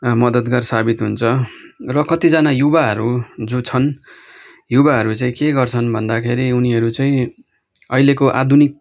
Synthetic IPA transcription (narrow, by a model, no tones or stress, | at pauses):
mʌd̪ʌt̪ɡarsabit̪ɦunt͡sʰʌrʌkʌt̪id͡zʌnajubaɦʌɾud͡zut͡sʰʌn | jubaɦʌɾut͡saĩkeɡʌrt͡sʰʌnbʱʌnd̪akʰeɾiuniɦʌɾut͡saĩ | ʌilekoʔa̰d̪ʱunik̚